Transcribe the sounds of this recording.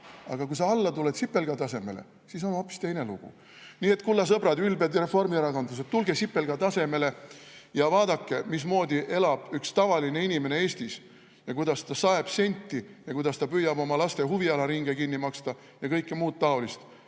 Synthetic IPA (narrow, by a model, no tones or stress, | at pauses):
ɑ̰ɡ̥ɑkujsɑɑlːɑt̪ulet̪sipːe̞lɡ̥ɑt̪ɑse̞me̞lḛ | siso̞no̞pːˑi̥st̪e̞jne̞luɡ̥ṵ | niːe̞t̪ːˑkulːɑs̬ɤbɾɑd̪ylbed̪ɾe̞fo̞rmieɾɑkond̪us̬et̪t̪ːulɡe̞sipːe̞lɡ̥ɑt̪ɑse̞me̞le̞jɑvɑːd̪ɑkːe̞mis̬mo̞ːd̪ʲiʔe̞lɑb̥ykst̪ɑvɑline̞inʲime̞ne̞eːsʲt̪is | jɑkujd̪ɑst̪ɑsɑe̞b̥se̞nʲt̪ːijɑkujd̪ɑst̪ɑpyjːɑbo̞mɑlɑst̪e̞ɦuviɑlɑɾiŋɡ̥ekinːimɑkst̪ɑ | jɑkɤjkːemuːt̪̚t̪ɑo̞list̪